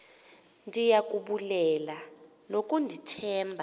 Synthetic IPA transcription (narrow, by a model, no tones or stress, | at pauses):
ndʱijak̬ʼuɓulɛla | lokʼundʱitʰɛːmbʱa